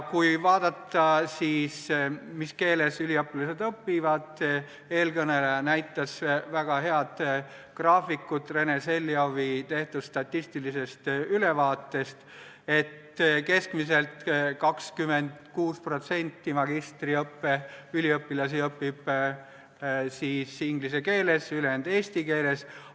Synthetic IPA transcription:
kujvɑːd̪̥ɑt̪ːˑɑsiːsmiske̞ːle̞sylʲiɤpːilɑse̞d̪ɤpːivɑd̪̥ | e̞ːlkɤne̞lejɑnæjt̪ːˑɑsvæɡ̥ɑɦe̞ɑd̪̥ | krɑːfikːˑut̪re̞nese̞lːiovit̪e̞ht̪ud̪st̪ɑt̪ːist̪ilise̞st̪yle̞vɑːt̪ːe̞st̪ | e̞t̪ | ke̞skmis̬e̞lt̪kɑkskymend̪kuːspro̞t̪se̞nʲt̪ːimɑɡist̪riɤpːeylʲiɤpːilɑs̬iɤpːib̥ | siːsiŋɡlis̬e̞ke̞ːle̞sylend̪e̞ːst̪ike̞ːle̞s

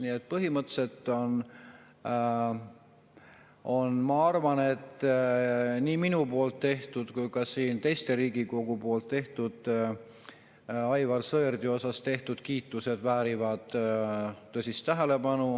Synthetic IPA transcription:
niːet̪̚ːpɤɦimɤt̪se̞t̪ːˑo̞n | o̞nmɑɑrvɑne̞t̪ː | niːminupo̞ːlt̪ːe̞ht̪ud̪̥kujkɑsiːnt̪e̞jst̪e̞ɾiːɡ̥iko̞ɡ̥upo̞ːlt̪ˑːe̞ht̪ud̪̥ | ɑjvɑlsɤerd̪̥io̞sɑst̪e̞ht̪ud̪̥kiːt̪ːˑuse̞d̪̥væːɾivɑd̪̥ː | ɤsist̪ːæɦele̞pɑnu

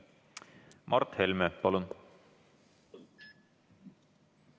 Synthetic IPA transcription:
mʔɑrt̪helʲmepɑlun

